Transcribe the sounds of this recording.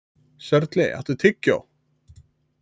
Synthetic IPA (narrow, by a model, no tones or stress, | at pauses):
sɛɾt̪lɪɛ̰ht̪ɪt̪ʰɪcːa̰w